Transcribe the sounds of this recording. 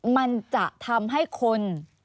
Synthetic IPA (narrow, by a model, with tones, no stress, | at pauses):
ma˧nt͡ɕa˨˩ʔt̪ʰa˧mɦa˥˩jkʰo˧n